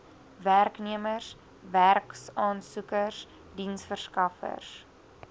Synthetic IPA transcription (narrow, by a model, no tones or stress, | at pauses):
værkniəmərs | værksɑːnsukərs | dinsfərskɐfə̰rs